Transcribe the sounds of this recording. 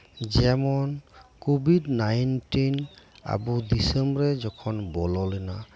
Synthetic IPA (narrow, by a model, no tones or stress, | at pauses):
zɛmɔnkobidnajntina̰budisɛmbɔɹɛzɔkʰɔnbɔlɔlɔna